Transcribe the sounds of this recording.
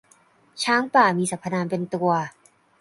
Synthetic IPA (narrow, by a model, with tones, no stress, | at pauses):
t͡ɕʰaː˦˥ŋpaː˨˩miː˧sa˨˩pʰːa˧naː˧npe˧nt̪u˧ɐ